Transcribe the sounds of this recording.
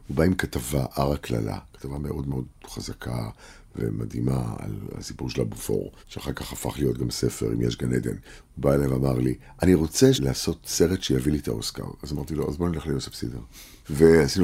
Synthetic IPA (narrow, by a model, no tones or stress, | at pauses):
ubaimkatavaʔaʁakla̰la̰kḁtavame̞ʔo̞dmeo̞dχazakʰa | vḛma̰dimaa̰la̰sipuʁʃelabufo̞̰ʁʃeaχaʁkaχafaχlijo̞t̚ɡamse̞fe̞̰ʁḭmjḛʃɡaned̪e̞̰nubaelajveamaʁli | ʔaniʁo̞t͡selaːso̞tse̞ʁetʃejavilit̪a̰oska̰ʁazamaʁt̪ilo̞ʔazbo̞neleχlijosefsideʁ | veasinu